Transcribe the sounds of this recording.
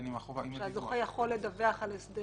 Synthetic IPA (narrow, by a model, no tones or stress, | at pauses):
nimaovʃeazoχejaχo̞lːed̪aveaχalesd̪e